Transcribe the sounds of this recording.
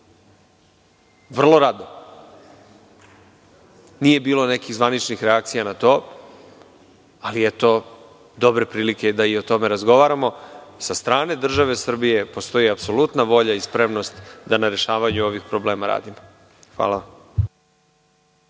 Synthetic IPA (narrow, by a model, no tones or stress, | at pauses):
ʋr̩lˠo̞ɾad̪o | nije̞biːlo̞ne̞kiɣzʋanit͡ʃnixɾeak̚t̪sijanat̪o̞ː | aliet̪o̞ | d̪o̞bɾe̞pɾiːlike̞d̪aio̞t̪o̞me̞ɾazɡo̞ʋaɾamo̞sast̪ɾaːne̞d̪r̩ʒaʋe̞sr̩bije̞po̞st̪o̞jiapso̞lut̪naʋo̞ʎaispɾe̞mno̞st̪d̪anaɾe̞ʃaːʋaɲuo̞ʋixpɾo̞ble̞ːmaɾa̰ːd̪imo | xʋa̰ːlˠaʋam